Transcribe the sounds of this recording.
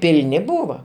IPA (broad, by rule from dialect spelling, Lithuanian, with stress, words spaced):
pʲɪlʲˈnʲɪ ˈbuːʋɐ